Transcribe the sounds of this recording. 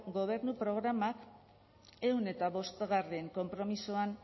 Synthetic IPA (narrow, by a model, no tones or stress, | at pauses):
ɡo̞β̞e̞ɾnupɾo̞ɣɾamak | e̞wne̞t̪aβo̞st̪ɣarieŋko̞mpɾo̞misuan